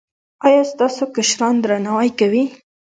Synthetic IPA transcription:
ɑjɑst̪ɑsokaʃɾɑnd̪ɾanawajkawi

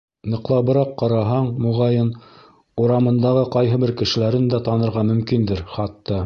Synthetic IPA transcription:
nɤ̆qlˠɑβɤ̆ɾɑqːɑɾɑɦɑɴmŭʁɑjɤn | uɾɑmɤ̆nd̪ɑʁɤqɑjɦɤ̆bɘɾkɘ̆ʃɘ̆læɾɘnd̪æt̪ɑnɤ̆ɾʁɑmɵ̆mkind̪ɘɾχɑt̪ːɑ

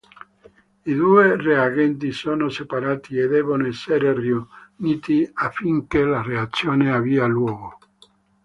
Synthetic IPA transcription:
id̪uereaɡɛnt̪isonosepaɾaːt̪ied̪ɛβonoɛseɾerjuniːt̪iafːiŋkelareat̪sːjoːneavialwɔːɣo

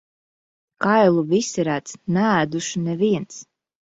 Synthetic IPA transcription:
kajlˠuvisɛɾæt̪snææːd̪uʃunɛviɛns

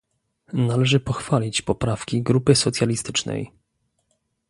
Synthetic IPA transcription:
nalɛʐɘpɔxfalʲit͡ɕpɔpɾafkʲiɡɾupɘsɔt̪sʲjalʲist̪ɘt͡ʂnɛ̰j

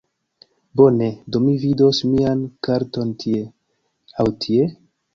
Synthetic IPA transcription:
bo̞ne̞domivido̞smiankaɾtontʰie̞ | awtʰie̞

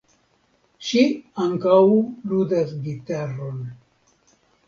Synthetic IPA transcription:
ʃiaŋkawludasɡitaɾon

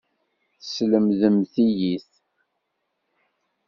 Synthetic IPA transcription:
θəsləmðəmθijiθ

